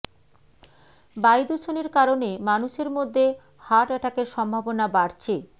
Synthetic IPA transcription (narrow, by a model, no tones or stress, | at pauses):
bajd̪ut͡ɕʰoneɾkaɾonemanuʃeɾmod̪ʱːe | haʈɛʈʰakeɾʃɔmbʱabonabaɽt͡ɕʰe